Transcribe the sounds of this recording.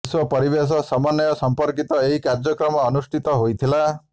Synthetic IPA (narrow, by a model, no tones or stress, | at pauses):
swɔpɔɾibes̬ɔsɔmanjɔsɔmpɔɾkit̪ɔeɦikaɾd͡ʒɔkɾɔmɔːnusʈʰit̪ɔɦojt̪ʰila